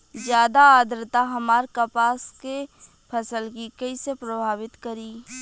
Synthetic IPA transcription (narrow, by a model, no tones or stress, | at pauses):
zjaːd̪aːd̪ɾɪt̪aɦɐmaːɾkɐpaːske | pʰɐsəlkikɐisepɾɐbʱaːʋɪt̪kɐɾiː